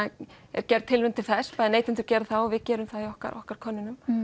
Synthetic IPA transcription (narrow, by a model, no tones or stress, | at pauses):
ɛ̰ɾ̥cɛɾt̪t̪ʰːɪlvʏnt̪ʰɪlθɛspaːðɪnejt̪ɪnt̪ʏɾcɛɾθaɔvɪcɛːɾʏmθaðiɔhka̰ɾʔɔ̰hkaɾ̥kʰɔnːɪnʏm